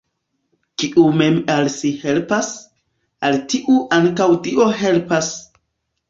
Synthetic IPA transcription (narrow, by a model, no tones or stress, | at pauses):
kiʔume̞malsihe̞lpas | altiʔuʔaŋkawtiʔo̞ɦe̞lpas